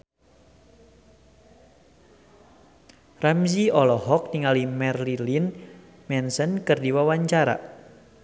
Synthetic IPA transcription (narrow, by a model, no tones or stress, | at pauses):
ramsiɔlɔɦɔk̚niŋalimɛrlilin | mɛnsənkɨrdiwawaɲt͡ʃaɾa̰